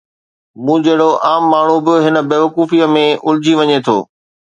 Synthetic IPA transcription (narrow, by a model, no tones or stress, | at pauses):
mũːd͡ʑɐɦɪɽoʔaːmːaːɳ̤ubɪɦɪnə̆beːʋɐkuːfijəmẽʔʊlɪd͡ʑʱiʋɐɲet̪ʰo̰ː